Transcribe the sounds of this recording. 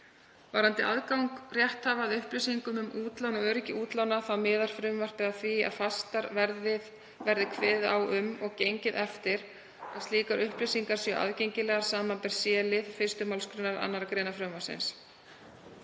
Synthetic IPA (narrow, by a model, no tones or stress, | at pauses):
vaɾhant̪ɪʔaðkawŋkrjɛht̪haːvaːðʏhplɪsiŋkʏmʏmʔuːt̪lawnɔɣœːɾɪcɪʔuːt̪lawnaθawmɪːðaɾ̥fɾʏmvar̥pɛɣaθvia̰ðfast̪aɾvɛɾðɪð | vɛɾðɪkʰvɛːðawʏmɔɣcejɲcɪðɛft̪ɪɾ | aðst̪iːkaɾʔʏhplɪsiŋkaɾ̥sjœʔa̰ðcejɲcɪlɛːɣaɾ̥saːmanpɛɾ̥sjɛːlɪðfɪst̪ʏmawlskɾʏnaɾa̰nːaɾakɾeːnafɾœwmasɪ̰ns